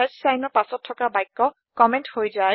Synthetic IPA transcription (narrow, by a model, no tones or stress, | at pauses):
ɛtsajnɔɹpasɔtʰːɔkabajkːɔ | kɔmɛnthojza